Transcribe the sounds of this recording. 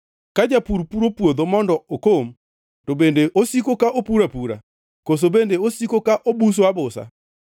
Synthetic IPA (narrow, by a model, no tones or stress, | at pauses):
kad͡ʒapuɾpuɾopwod̪omɔndɔokom | tobendeʔosikokaʔopuɾapuɾa̰ | kos̬obendeosikokaʔobus̬oabʊsa̰